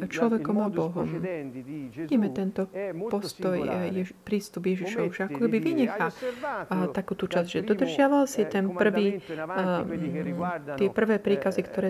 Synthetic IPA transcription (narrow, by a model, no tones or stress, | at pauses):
t͡ʃlɔʋɛkɔmabɔɦɔ̰m | ʋiɟimɛt̪ɛnt̪ɔpɔst̪ɔjɛpɾiːst̪ubjɛʒiʃɔʊʒɛakɔkɛbiʋiɲɛxa | t̪akuːt̪ut͡ʃazʒɛd̪ɔd̪r̩ʒɪaʋalsit̪ɛnpr̩ʋiː | t̪ɪɛpr̩ʋɛːpɾiːkazikt̪ɔɾɛː